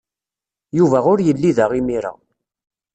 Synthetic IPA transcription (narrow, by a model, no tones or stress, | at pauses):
juvæʊɾjəlːiðæʁimiɾa̰